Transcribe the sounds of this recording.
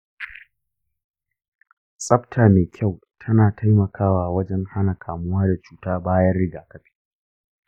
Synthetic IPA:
sʼɐ˦ɸtʰaː˨meː˨kʲʰa˦˨w | tʰɐ˦naː˨tʰa˦jmɐ˨kʰaː˦waː˨wɐ˦d͡ʒɛ˦ŋha˦na˨kʰaː˨mʊ˦waː˦da˨t͡ʃuː˦taː˦baː˦jɐ˦rɽɪ˦ɡaː˨kɐ˦ɸi̥ː˦

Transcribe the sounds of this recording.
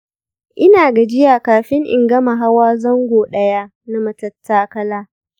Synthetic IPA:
ʔɪ˦naː˨ɡa˨d͡ʒɪ˦jaː˨kaː˨ɸɪ˦ŋʔɪ̰˨ŋɡɐ˦ma˨ɦa˦waː˦zɐ˦ŋɡʷoː˨ɗɐ˦jaː˦ | na˦mɐ˨tɐ˦tʰːaː˦kɐ˦laː˦

